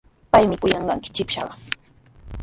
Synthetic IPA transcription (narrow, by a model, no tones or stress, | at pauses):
pajmɪkʊjɑɴɢɑŋkɪ̥t͡ʃɪpʃɑ̰ɢɑ